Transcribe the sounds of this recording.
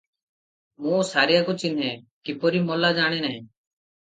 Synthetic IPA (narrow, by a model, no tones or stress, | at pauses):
mũːsaɾijakut͡ʃin̤ɦekipɔɾimɔlad͡ʒaɽ̃enaɦɛ̃